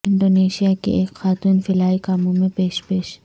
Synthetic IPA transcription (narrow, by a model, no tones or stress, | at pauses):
ɪɳɖoːneʃijakḭʔekxaːt̪uːnfɪlaːikaːmomẽpeːʃpeːʃ